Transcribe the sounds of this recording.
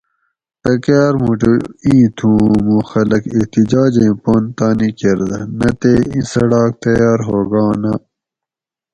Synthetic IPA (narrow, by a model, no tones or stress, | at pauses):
t̪ɐkaːɾmuʈuĩːt̪ʰũːmũːxɐlɐkiht̪id͡ʑaːd͡ʑẽːpoːnt̪aːnikeɾd̪ɐnɐt̪eːḭ̃sɐɽaːk̚t̪ɐjaːɾɦoːɡɑ̃ːnɐ